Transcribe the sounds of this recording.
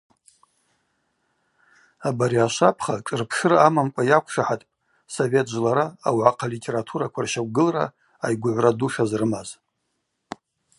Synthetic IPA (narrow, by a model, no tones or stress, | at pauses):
abaɾiaʃapʰχaʈ͡ʂʼɨrpʰʂɨraamamkʷʼajakʷʰʂaħatʼpʼ | sove̞tʰʼʒlaɾaawʕaqʰalitʰʲʼe̞ɾatʰuɾakʷʰarʃakʷɡɨlra̰ | ajɡʷʊʕʷraduʂazrɨmaz